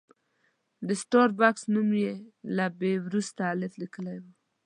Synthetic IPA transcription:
d̪əsʈɑɾbaksnumjelabewɾust̪aːlɪflikəlajwu

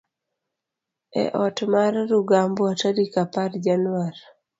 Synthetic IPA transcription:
ɛ̰ʔɔtmarɾuɡambwataɾikapaɾd͡ʒanwaɾ

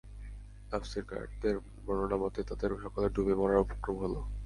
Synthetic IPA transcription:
afsiɾka̰t̪eɾ | bɔnonamɔt̪et̪ad̪eɾoʃɔkaleɾɖʱubemɔɾaɾupo̥kɾomɦolo

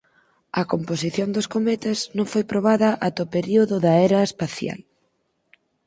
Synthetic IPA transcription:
ɐkomposiθjond̪oskomɛt̪ɐznõŋfojpɾoβ̞aðɐʔat̪opeɾioðʊðɐeɾɐespaθja̰l

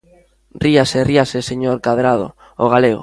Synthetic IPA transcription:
riaseriaseseɲoɾkaðɾað̞o̰ | oɣ̞aleɣo̰

